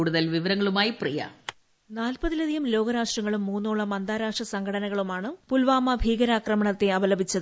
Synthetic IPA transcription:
uːɽuðɐlʋiʋɐɾɐŋːɐɭumaːjiprijɐ̰ | naːlpɐðilɐðijɐmlo̞ːɡɐɾaːʂʈrɐŋːɐɭumːuːnːuːɭːɐmɐnd̪aːɾaːʂʈrɐsɐŋɡʰʱɐɽɐnɐɣɐɭumaːɳɨpulʋaːmɐbʱiːɡɐɾaːkrɐmɐɳɐt̪ːe̞ɐʋɐlɐbʱit͡ɕːɐðɨ

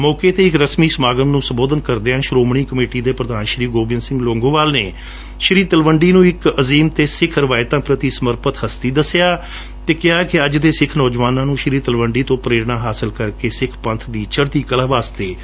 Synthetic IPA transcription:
mɔːkeːt̪eːɪkɾəsmiːsəmaːɡəmnũːsəmboːd̪ənkəɾd̪eːãːʃɾoːmɳ̃iːkəmeːʈiːd̪eːpɾəd̪aːnʃɾiːɡoːbɪnsɪ̃ŋɡlõːŋɡõːʋaːlneː | ʃəɾiːt̪əlʋəɳɖiːnũːɪkəziːmt̪eːsɪkʰəɾʋaːɪt̪ãːpɾət̪iːsəməɾpət̪həst̪iːd̪əsɪjaː | t̪eːkɪaːkɪəd͡ʒd̪eːsɪkʰnɔːd͡ʒʋaːnãːnũːʃəɾiːt̪əlʋəɳɖiːt̪õːpɾeːɾɳaːɦaːsəlkəɾkeːsɪkʰpənt̪ʰd̪iːt͡ʃʰəɾt̪iːkəlaːʋaːst̪eː

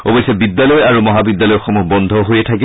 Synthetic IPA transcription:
o̰bojsɛbidːjalɔjaɹumɔɦabidːalɔjɔxomuɦbɔnd̪ʱɔɦojɛtʰaki

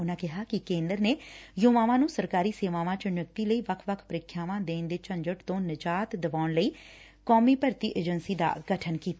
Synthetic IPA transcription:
ʊnãːkɪɦaːkɪkẽːnd̪əɾneːjoːʋaːʋãːnũːsəɾkaːɾiːseːʋaːʋãːt͡ʃənʊkt̪iːləiːʋəkʰʋəkʰpəɾɪkʰːjaːʋãːd̪eːnd̪eːt͡ʃə̃ɲd͡ʒəʈt̪õːnəd͡ʒaːt̪d̪əʋaːʊnləiː | kɔːmiːpəɾt̪iːʔeːd͡ʒənsiːd̪a̰ːɡəʈʰənkiːt̪aː

